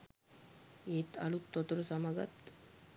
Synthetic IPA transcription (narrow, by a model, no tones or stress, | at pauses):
eːt̪ɐ̰lut̪ːot̪uɾəsamaɡa̰t̪